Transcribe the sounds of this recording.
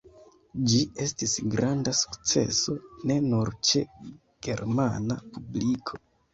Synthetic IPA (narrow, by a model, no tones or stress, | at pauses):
d͡ʒie̞stisɡɾandasu̥kt͡se̞̰so̞ne̞nuɾt͡ʃe | ɡ̥e̞̰ɾmanapublikʰo̞̥